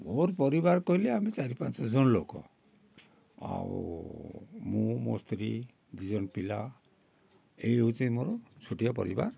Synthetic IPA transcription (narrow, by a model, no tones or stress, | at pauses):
moɾpɔɾibaɾkɔɦileamit͡ʃaɾipant͡ʃɔd͡ʒɔnɔlokɔ̰ | a̰w | mumo̰st̪ɾi | d̪id͡ʒɔnpila̰ | ejeɦut͡ʃʰĩmoɾɔt͡ʃʰoʈijapɔ̰ɾḭba̰ɾ